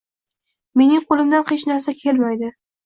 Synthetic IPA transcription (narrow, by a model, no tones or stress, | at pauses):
me̞nɪŋqʰolˠɪmd̪anqet͡ʃnaɾsakʲʰe̞lmajd̪ɪ